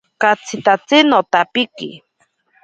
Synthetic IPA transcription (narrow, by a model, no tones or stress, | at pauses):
kat͡sʰit̪at͡sinot̪apikḭ